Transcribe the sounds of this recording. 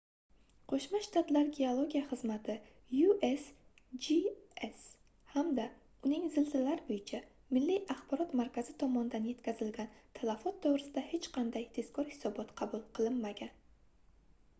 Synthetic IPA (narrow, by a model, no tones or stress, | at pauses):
qʰoʃmaʃt̪at̪laɾɡʲeolˠoɡʲijaχɨzmat̪ʰɪ | jues | d͡ʒies | hamd̪a | ʊnɪŋzɪlt̪ʰɪlaɾɪbojɪt͡ʃʰa | mɪlːiʔaχbɒɾɒt̪maɾkʲʰaz̥ɪt̪ʰɒmɒnɪd̪anje̞t̪kʲʰazɪlɡʲant̪ʰalˠafɒt̪ʰːowɾɪsɪd̪ahe̞t͡ʃqʰɑnd̪ajt̪ʰe̞skʰɒɾhɪ̥sɒbɒt̪qʰɑbulˠqʰɨlˠɪnːaɡʲan